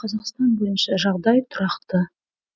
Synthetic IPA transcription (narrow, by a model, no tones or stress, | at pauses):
qʰɑzɑqst̪ɑnbɵjɪnʃɪʒɑʁd̪ɑjt̪ʰʊɾɑqt̪ə